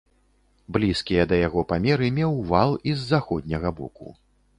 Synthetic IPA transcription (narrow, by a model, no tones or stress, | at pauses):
blʲiskʲijɐd̪ɐjaɣɔpamʲɛɾɨmʲɛwvalˠizːaxɔd̪ʲnʲɐɣɐbɔ̰kṵ